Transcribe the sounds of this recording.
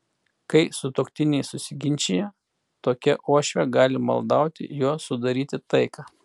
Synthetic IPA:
kɐɪsʊt̪oːkt̪ʲɪnʲɛɪsʊsʲɪɡʲɪnʲt͡ʃʲejɛ | t̪oːkʲɛʔoɔʃʲʋʲɛɡɑːlʲɪmɐ̰lˠd̪ɐʊt̪ʲɪ̰juɔsʊd̪ɐɾʲiːt̪ʲɪt̪ɐɪkɑː

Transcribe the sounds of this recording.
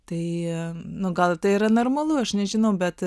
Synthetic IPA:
t̪ɐɪnʊɡɐlˠt̪ɐɪiɾɐnormɐlˠuɐʃnʲɛʒʲɪnɐʊbʲɛt̪

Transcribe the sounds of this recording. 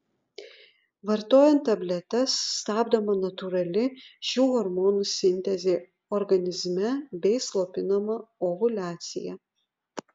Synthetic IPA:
ʋɐɾt̪oːjɛnt̪ːɐbʲlʲɛt̪ʲɛsːt̪ɑːbd̪ɐmɐnɐt̪ʊɾɐlʲɪʃʲuːhɔɾmoːnuːsʲɪnʲt̪ʲɛzʲeː | ɔɾɡɐnʲɪzʲmʲɛbʲɛɪslˠoːpʲɪnɐmɐoʋʊlʲæːt̪sʲɪ̰jɛ

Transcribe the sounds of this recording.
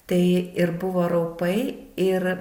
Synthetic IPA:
t̪ɐɪɪrbʊʋoːɾɐʊpɐɪɪr

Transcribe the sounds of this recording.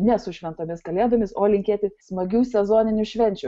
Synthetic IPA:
nʲɛsʊʃʲʋʲɛnt̪oːmʲɪskɐlʲeːd̪ɐmʲɪsoːlʲɪŋʲkʲeːt̪ʲɪsmɐɡʲuːsʲɛzoːnʲɪnʲʊʃʲʋʲɛnʲt͡ʃʲʊ

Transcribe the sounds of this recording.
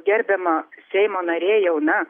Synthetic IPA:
ɡʲɛɾʲbʲɛmɐssʲɛɪmoːnɐɾʲeːjɛʊnɐ

